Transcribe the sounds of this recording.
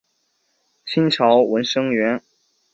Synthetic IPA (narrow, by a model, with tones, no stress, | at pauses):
t͡ɕʰi˥nʈ͡ʂʰɑ˧˥ʊwə˧˥nʂɤ˥ŋɥɛ˧˥n